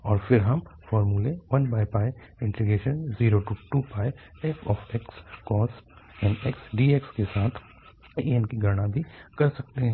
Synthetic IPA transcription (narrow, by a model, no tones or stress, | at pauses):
ɔːɾfɪɾɦɐmfɔːɾmuleʋɐnbaːjpaːj | ɪ̃ɳʈɾiɡeːʃənziːɾoʈuʈuːpaːj | ɛːfʰɔːfɛkskɔːsɛ̃ːnɛksɖiːekskesaːt̪ʰ | eɛnkiɡʱɐɾɽ̃ãbʱikɐɾsɐk̚t̪eɦɛ̃ː